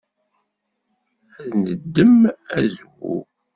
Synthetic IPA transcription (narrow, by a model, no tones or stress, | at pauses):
æðnəd̪ːəmæzwṵ